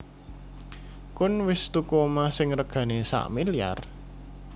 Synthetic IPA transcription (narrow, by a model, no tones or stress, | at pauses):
kʊnwɪst̪ukomasɪŋrəɡ̥ä̤nesa̰ʔmilija̰r